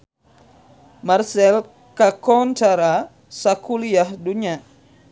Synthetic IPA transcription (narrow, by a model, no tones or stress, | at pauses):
marsɛl | kakɔntaɾa | sakuliahduɲa